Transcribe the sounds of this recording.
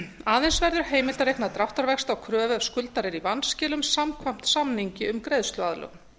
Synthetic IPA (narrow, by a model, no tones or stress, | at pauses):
aːðejnsvɛɾðʏɾ̥ɦeːjmɪlt̪aɾejknat̪ɾaft̪aɾvɛkst̪awkʰɾœːvɛskʏlt̪aɾɪɾivanːscɛːlʏmsamkʰvam̥t̪samniɲcɪʏmkɾejðst̪lʏaðlœ̰ɣ